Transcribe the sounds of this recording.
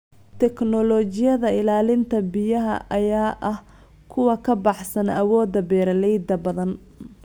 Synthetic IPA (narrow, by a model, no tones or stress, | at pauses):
t̪ʰɛknɔlɔːt͡ʃɪjɐðɐɪlaːlɪnt̪ʰɐbɪjɐɦɐ̰ʔɐjaːʔɐh | kʰʊwɑkʰɐbɑħsɐnɐwɔːd̪ɐbɛːɾɐlɛjd̪ɐbɐðɐn